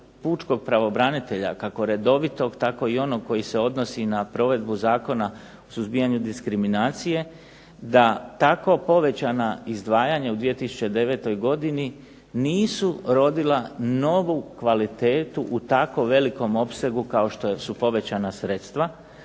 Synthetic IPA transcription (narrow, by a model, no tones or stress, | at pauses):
puːt͡ʃko̞ɡ̚pɾaʋo̞bɾanit̪e̞ʎa̰kako̞ɾe̞d̪o̞ʋit̪o̞ɡt̪ako̞io̞no̞ɡ̚ko̞jise̞o̞d̪no̞sinapɾo̞ʋe̞d̪buzaːko̞na | osuzbijaɲud̪iskɾiminaːt̪sije̞ | d̪at̪ako̞po̞ʋe̞t͡ɕanaizd̪ʋaːjaɲaud̪ʋije̞t̪isu̥t͡ɕe̞d̪e̞ʋe̞ːt̪o̞jɡo̞d̪ini | niːsuɾo̞d̪ilano̞ʋukʋalit̪e̞ːt̪uʔut̪ako̞ʋe̞liko̞mo̞pse̞ɡukao̞ʃt̪osupo̞ʋe̞t͡ɕanasɾe̞t̪st̪ʋa